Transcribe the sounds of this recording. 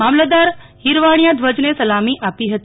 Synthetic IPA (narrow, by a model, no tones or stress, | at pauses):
aːmlad̪aːɾhiɾʋaːɽ̃ijad̪ʋəd͡ʒnesɐlaːmiʔaːpiɦɐt̪